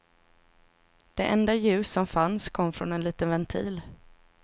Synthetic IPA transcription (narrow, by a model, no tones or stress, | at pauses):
d̪̥ɛʔɛnd̪ajʉ̟ːsːɔmfanskʰɔmːfɾɔnɛnliːt̪ənvɛnt̪ʰḭːl